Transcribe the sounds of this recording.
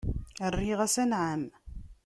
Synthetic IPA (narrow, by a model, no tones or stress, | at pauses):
ərːiʁæsænʕam